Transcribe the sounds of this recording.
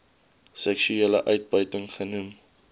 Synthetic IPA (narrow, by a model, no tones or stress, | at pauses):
sɛkʃyelə̰ʔœɥt̚bəɥtəŋχənum